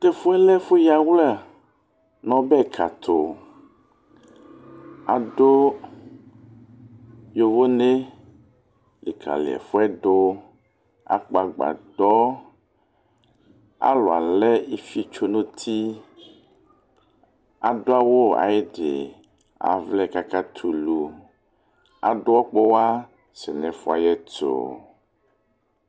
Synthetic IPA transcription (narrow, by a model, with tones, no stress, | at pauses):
t̪e˦fo˦ɛ˦lɛ˦fo˦ja˦wl | nɔ̃˦bɛ˦˨kʰa̰˨t̪ʰo˨ | a˨ɖo˦ | jo˦vo˦ne˦ | lḛ˨kʰa̰˨lḛ˨ɛ̰˨fo˦ɛ˦ɖo˦ | a̰˨k͡pa˨ɡ͡ba̰˨dɔ˦ | a̰˦lo˨a˨lɛ˦e˦fi˦t͡ʃo˦nũ˦t̪ʰi˦ | a̰˨ɖo˦a˦wo˦a̰˨e˦ɖḛ˨ | a̰˨vlɛ˦˨ka˦ka˦t̪ʰu˨lu˨ | a̰˨ɖo˦ɔ˦k͡pɔ˦wa˦ | sɛ˨nɛ̃˨fo˦a˨jɛ˦to̰˨